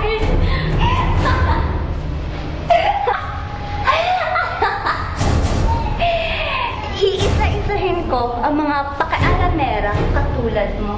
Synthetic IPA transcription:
ʔiʔɪsaʔɪsɐɦɪnko̞ʔɐŋmɐŋapɐkɛʔɐɾɐmɛːɾɐkɐt̪uːlɐd̪̚mo

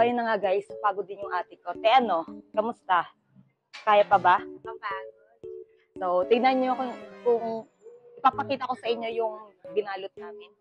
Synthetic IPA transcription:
ɐjʊnɐŋaɡajspaːɡod̪ɪnjʊŋʔaːt̪ɪko̞t̪ɛʔɐno̞kɐmʊst̪a | kaːjɐpɐbaɐpaɡod | ʔoːʔot̪ɪɡ̚nɐnɲoɐkokʊŋ | ʔɪpapɐkiːt̪ɐko̞sɐʔɪɲːo̞jʊŋbɪnaːlʊt̪̚naːmɪn

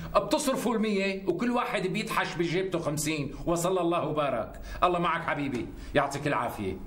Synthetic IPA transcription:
ʔɪb̚t̪ɨsˤɾfulmɪjːewkɪlːwaːħɪd̪bjɪd̪ħaʃbɪʒeːb̚t̪uxamsiːnwɑsˤɑlːɑlˤːɑːhwbɑːɾˤɑ̰k | ʔɑlˤːɑːmaʕakħabiːbi | jʊʕt̪ˤiːkɪlːʕa̰ːfɪjḛ

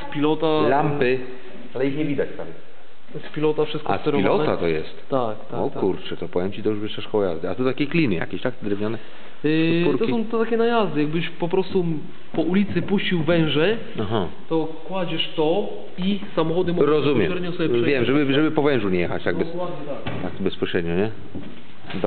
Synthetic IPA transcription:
spʲilɔt̪alampɘ | alɛixɲɛvʲid̪at͡ɕt̪am | spʲilɔt̪afʂɘst̪kkɔast̪ɾɔilɔɛt̪at̪ɔjɛ̰st̪t̪akt̪aɔt̪kuɾt͡ʂɛt̪ɔpɔvʲjɛmt͡ɕit̪ɔjuʐvʲeʂɛʂkɔwɔja̰zd̪ɘat̪ut̪akʲeklʲinɘja̰kʲeɕt̪akt̪ɛd̪ɾɛvɲɔnɛ | uɾkt̪ɔsɔ̃w̃t̪ɛt̪akʲɛnajazd̪ɘjaɡ̚bɘɕpɔpɾɔst̪u | pɔʔulʲit̪sɘpuɕt͡ɕiwvɛ̃w̃ʐɛ | aɦa | t̪ɔ | kwad͡ʑɛʂt̪ɔ | isamɔxɔd̪ɨmɔɾɔzumʲjɛɛɾɲɔ̃sɔbʲɛpʂɛvʲjɛmʐɛbɘʐɛbɘpɔvɛ̃w̃ʐuɲɛjɛxat͡ɕt̪aɡbɛswad̪t̪a | t̪ak̚t̪bɛspɔɕɾɛd̪ɲɔɲɛ | d̪

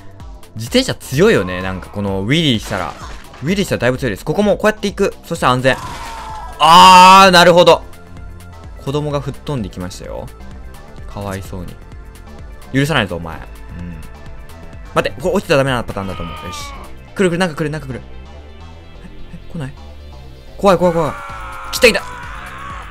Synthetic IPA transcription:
d͡ʑit̪ẽ̞ɕat͡sɨjo̞ijo̞ne̞nãŋkḁko̞no̞βʲiɾʲiɕi̥t̪aɾa̰ | βʲiɾʲiɕit̪aɾad̪aibt͡sɨjo̞id̪e̞sɨ̥ko̞ko̞mo̞koːjat̪ːe̞ikɯ̟so̞ɕi̥t̪eãñd͡zẽ̞ŋ̃ | aːnaɾɯ̟ɦo̞d̪o̞ | kʰo̞d̪o̞mo̞ɡaɸɯ̟t̪ːõ̞nd̪e̞ikʲimaɕi̥t̪a̰jo̞̰ | kʰaβ̞aiso̞̰ːɲ̟ḭ | jɯ̟ɾɯ̟s̬anaizoːma̰ḛɯ̟̃ɴ | mat̪ːekoot͡ɕi̥t̪ad̪ame̞nanapat̪ãnd̪at̪o̞ːmo̞̰eɕkɯ̟ɾɯ̟kɯɾɯ̟nãŋkakɯ̟ɾɯ̟nãŋkakɯ̟ɾɯ̟ | aekonai | ko̞βaiko̞aiko̞βaikʲi̥t̪ːait̪ːa

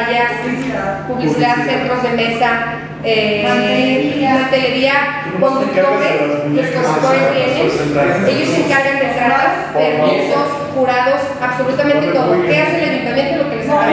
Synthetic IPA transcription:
ja | kuβikulaɾsent̪ɾo̞zðeme̞sa | e | nat̪eleɾia | ond̪uk̪oβeseskomt̪oeɾjenee̞ʝoseŋkaɾɣand̪et̪ɾa | eɾesos | xuɾaðo̞s | aβso̞lut̪amẽnt̪et̪oðokeaseleɣik̪amjent̪oelokelesaa

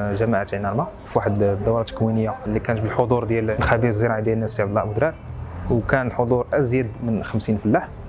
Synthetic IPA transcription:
ʒæmaʕat̪ʕnɑɾˤma | fwaħəd̪d̪ːɑwɾˤɑt̪ːə̥kwinəjːalːikænət̪bəlħod̪ˤuɾˤd̪jællxæbiɾəzːəɾˤɑʕid̪jælənːæsjæbəlːɑbəd̪ɾæwkænəlħod̪ˤuɾˤʔæzjæd̪mənxəmsinfəlːaħ

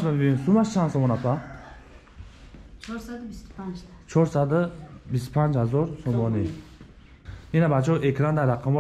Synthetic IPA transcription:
mabiinsumaʃt͡ʃʰansomonat̪ʰa | t͡ʃʰoɾsad̪ɨbispʰant͡ʃhazoɾsomɔni | inabat͡ʃʰoʔekʰɾand̪aɾaqʰam

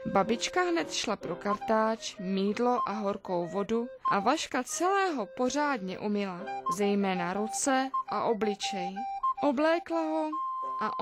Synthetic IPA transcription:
babɪt͡ʃkaɦnɛt̪ʃlapɾo̞kaɾt̪aːt͡ʃmiːdlo̞ʔaɦo̞ɾko̞wvo̞duʔavaʃkat͡sɛlɛːɦo̞po̞r̝aːdɲɛ̰ʔumɪlazɛjmɛːnaɾut͡sɛʔaʔo̞blɪt͡ʃɛjʔoblɛːklaɦoʔa

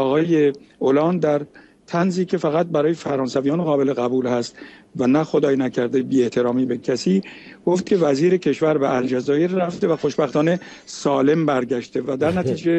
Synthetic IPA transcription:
ɒːɣɒːjeolɒːnd̪d̪æɾ | t̪ʰænziːcʰe̞fæɣæt̪̚bæɾɒːje̞fæɾɒːnsævijɒːnɣɒːbe̞leɣæbuːlhæst̪vænæxo̞d̪ɒːjnæcʰæɾd̪ebiːe̞ht̪ʰe̞ɾɒːmiːbe̞cʰæsiː | ɡ̥o̞ft̪̚cʰʲe̞væziːɾe̞cʰe̞ʃvæɾbeʔæld͡ʒæzɒːjeɾːæft̪evæxo̞ʃbæxt̪ɒːne̞ | sɒːle̞mbæɾɟæʃt̪e̞væd̪æɾnæt̪ʰiːd͡ʒe̞

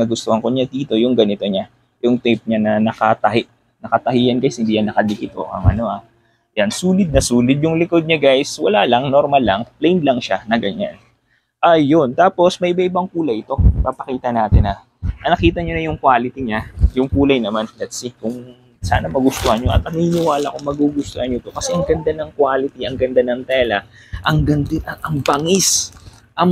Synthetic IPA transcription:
ŋɐɡʊst̪ohɐŋkoɲad̪iːt̪o̞jʊŋɡɐnɪt̪o̞ɲa | jʊŋt̪ɪp̚ɲanɐnɐkat̪ɐɦɪʔ | nɐkɐt̪ɐɦiːjɐnɡajshɪnd̪iːjanːɐkɐd̪ɪkɪt̪o̰ʔɐ̰ŋʔɐ̰no̞ʔa | jansuːlɪd̪̚nɐsuːlɪd̪̚jʊŋlɪkod̪̚ɲaɡajswɐlaːlɐŋnoɾmɐlːɐŋplɛjnd̪lɐŋʃanɐɡɐɲa̰n | ʔɐjont̪aːpo̞smɐʔɪbaʔɪbɐŋpuːlɐjɪt̪o̞pɐpɐkiːt̪ɐnaːt̪ɪnɐ | ʔɐnɐkiːt̪ɐɲonɐjʊŋkwaːlɪt̪iɲajʊŋkuːlɐjnɐmanplɛt̪sikʊŋ | sa̰ːnɐmɐɡʊst̪ohɐɲɲoʔɐ̰t̪̚nɐŋinɪwaːlɐkoŋmɐɡuɡʊst̪ohɐɲot̪o̞kɐsɛʔɐŋɡɐnd̪anɐŋkwaːlɪt̪iʔɐŋɡɐnd̪anɐŋt̪ɛːlɐ | ʔɐŋɡɐnd̪ɪɐʔɐŋbɐŋɪs | ʔɐŋ

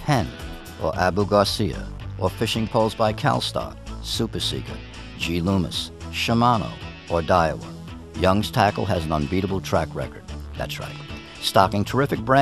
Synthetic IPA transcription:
hʰɛ̃n | ʔə̰˞ʔæbuɡɑsiɨ̰ʔə˞fɪʃɪ̃ŋpʰoʊlˠzbaɪkʰæ̰lˠstɑ̰k̚supə˞sḭkə̰̥˞ | d͡ʒilumɨ̰sʃəmɑno̰ʊ | ə˞daɪə̰wə̰ | jʌ̃ŋstʰækl̩ˠɨz̃n̩ə̃nbiɾəbl̩ˠtʰɹ̥ækɹɛ̰kə˞d̪̚ðæ̰tsɹa̰ɪt | stɑkɪ̃ŋtʰə˞ɪfɨk̚b̥ɹæ̃

